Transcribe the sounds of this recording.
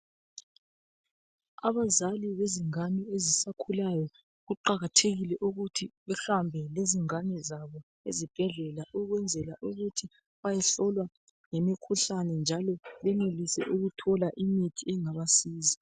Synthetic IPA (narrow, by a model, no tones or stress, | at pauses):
aβazaliβeziŋaniezisakʰulajɔ | ɣuǃaɣatʰeɣilɛʔuɣutʰiβɛxambʱɛleziŋanɛzaβɔ | ḛzib̥ʱɛɮɛlaʔuɣwɛnd͡zʱɛlaʔuɣutʰi | βajɛɬɔlwa | ŋemikʰuɬanɛnd͡ʒʱalɔβɛnelisɛ̰ʔuɣutʰɔlaʔimitʰiɛŋaβasiːzi